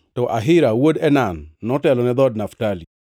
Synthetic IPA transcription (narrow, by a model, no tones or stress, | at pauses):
tɔʔaɦɪɾawodɛnanːɔtɛlɔnɛd̪ɔd̚naftali